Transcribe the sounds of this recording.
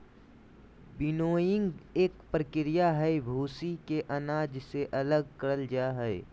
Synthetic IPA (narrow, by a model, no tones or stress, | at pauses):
bɪnoːjɪ̃ŋɡeːkpɾəkɪɾɪjaɦɛebʱuːsikeʔɐnaːd͡ʒseʔɐləɡ̚kəɾəld͡ʒaːɦɛ